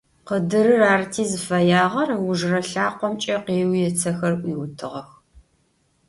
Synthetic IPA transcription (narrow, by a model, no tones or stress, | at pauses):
qədɨɾɨraːrtʰiːzɨfɐjaːʁɐrwʊʒrɐɬaːqʷɔmt͡ʃʼɐqeːwjɛt͡sʰɐxɐrʔʷiːwʊtʰɨʁɐx